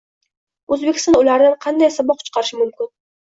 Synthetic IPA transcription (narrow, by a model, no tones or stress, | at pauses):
ɵzbekʲɪ̥st̪ɔnʊlaɾd̪anqʰɑnd̪ajsabɒqʰʊ̥t͡ʃqʰɑɾɪʃɪmʊmkʲɪn